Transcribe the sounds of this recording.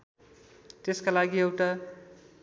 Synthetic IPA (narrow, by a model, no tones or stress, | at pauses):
t̪eskalaɡiewʈa